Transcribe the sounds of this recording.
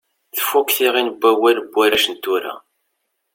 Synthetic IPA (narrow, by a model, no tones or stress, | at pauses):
θə̥fːukθiʁinəbːæwæləbːæɾæʃənt̪ːʊɾa̰